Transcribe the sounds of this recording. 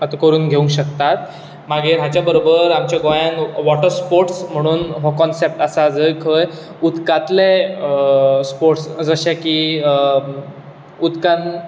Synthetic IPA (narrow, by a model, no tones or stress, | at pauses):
ət̪ãkəɾuːnɡʱeũŋɕəkt̪at̪ | maɡeɾɦat͡ɕjabəɾobəɾamt͡ɕjaɡɔjãnʋɔʈəɾspoɾʈsm̤əɽ̃uːnɦɔkɔnsep̚ʈasad͡zəkʰəj | ud̪kat̪le | spoɾʈsd͡zəɕɛki | ud̪kan